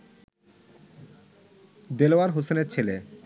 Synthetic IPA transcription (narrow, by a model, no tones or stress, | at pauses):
d̪eloaɾɦoseneɾt͡ɕʰele